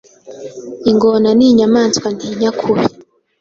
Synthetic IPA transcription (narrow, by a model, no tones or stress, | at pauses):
iŋɡonaniɲamaːnt͡skwandʰiɲakʰuβi